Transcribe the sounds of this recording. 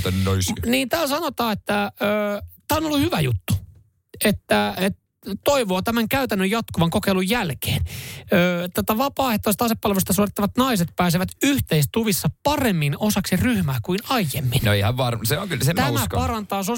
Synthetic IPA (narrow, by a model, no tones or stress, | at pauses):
t̪ɑnynosniːnt̪æːlsɑnot̪ɑːet̪ːæøːt̪æːonolːuhyʋæjut̪ːu̥ | et̪ːæet̪ | t̪oiʋoːt̪æmæŋkæyt̪ænːøjɑt̪kuʋɑŋkokeilujjælke̥ːnøːt̪æt̪æʋɑpɑːeht̪ːost̪ɑsepːɑlʋest̪ɑsuorit̪ːɑʋɑt̪nɑiset̪̚pæːs̬eʋæt̪yht̪eist̪uʋisːɑpɑremːinosɑksiryhmæːkuinɑijːemːinnoeihæʋʋɑrmseoŋkylsemt̪æmækpɑrɑnt̪ɑːso